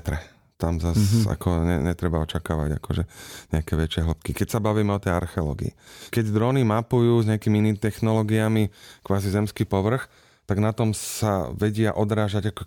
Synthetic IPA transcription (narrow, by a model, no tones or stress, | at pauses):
t̪ɾɛ | t̪amzasa̰kɔɲɛ̰ɲɛt̪ɾɛbaɔt͡ʃakaːʋa̰ɟa̰kɔʒɛɲɛakɛːʋɛt͡ʃɪɛɦl̩pkikɛcsabaʋiːmɛɔt̪ɛja̰ɾxɛɔlɔ̰ːɡḭːkɛɟd̪ɾɔːnimapujuːzɲɛakiːmiiniːmit̪ɛxnɔlɔːɡiamikʋaːzizɛmskiːpɔʋr̩x | t̪aɡnat̪ɔmsa̰ʋɛɟɪaʔɔd̪ɾaːʒaɟakɔ